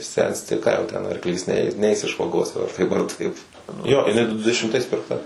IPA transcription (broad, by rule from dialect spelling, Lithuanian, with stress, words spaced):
ˈsʲɛnʲsʲtʲɪ ˈkɑː jɛʊ ˈtʲɛn ɐrkˈlʲiːs ˈnʲɛɪ ˈnʲɛɪs ɪʃ ʋɐˈɡoːs jɛʊ ɐr ˈtɐɪp ɐr ˈtɐɪp ˈjoː ɪˈnɐɪ ˈdʊ dʲɛʃʲɪmˈtɐɪs pʲɪrkˈtɐ